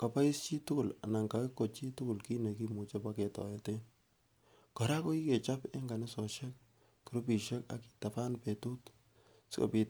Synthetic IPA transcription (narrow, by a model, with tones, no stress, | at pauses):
ka˨pa˦i˦st͡ʃi˦tʊ˦kʊ˦˨la̰˨na˨ŋka˨ke˦kːo˨t͡ʃi˦tʊ˦kʊ˨lki˦ne˨ki˦mu˨t͡ʃe˦pa˦ke˨tɔ̰˨je˨te˦ | kɔ˨ɾa˦ko˦i˦ke˨t͡ʃa˦pe˦ŋɡa˨nɪ˦sɔ˨ʃe˦k̚ | kːi˨ɾo˦pi˨ʃe˦ka̰˨ki̥˨ta˨pa˦npe˨tu˦t | sko̰˨pi˨